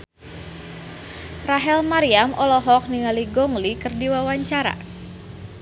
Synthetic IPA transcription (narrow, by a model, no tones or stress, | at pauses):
raɦɛlmaɾiamʔɔlɔɦɔk̚niŋaliɡɔŋlikɨrdiwawaɲt͡ʃaɾa̰